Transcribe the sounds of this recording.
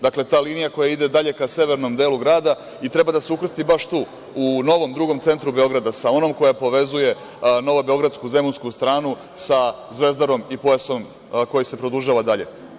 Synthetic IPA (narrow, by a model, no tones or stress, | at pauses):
d̪akle̞t̪aːliːnijako̞jaid̪e̞d̪aʎe̞kase̞ʋe̞ɾno̞md̪e̞ːluɡɾaːd̪a | it̪ɾe̞bad̪aseukr̩st̪ibaʃt̪uː | uno̞ʋo̞md̪ɾuɡo̞mt̪se̞nt̪ɾube̞o̞ɡɾad̪asao̞no̞mko̞japo̞ʋe̞zuje̞ | no̞ʋobeo̞ɡɾad̪skuze̞munskust̪ɾaːnu | sa | zʋe̞zd̪aɾo̞mipojaso̞m | ko̞jise̞pɾo̞d̪uʒaːʋad̪aʎe̞̰